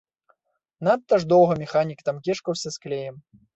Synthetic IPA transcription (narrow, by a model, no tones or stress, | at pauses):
nat̪ːɐʐd̪ɔwɣɐmʲɛxanʲikt̪ɐmkʲɛʂkɐwsʲɐsklʲejɛm